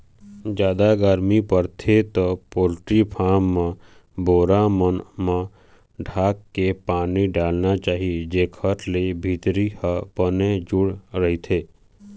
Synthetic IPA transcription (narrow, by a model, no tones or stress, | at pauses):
d͡ʒjaːd̪aɡəɾmipəɾt̪ʰet̪opoːlʈɾipʰaːmːã | boːɾamənmã | ɖʱaːkːepaːniɖaːlnat͡ʃaːɦied͡ʒeːkʰəɾlebʱiːt̪ɾihəpəned͡ʒʊɽɾəɦit̪ʰeː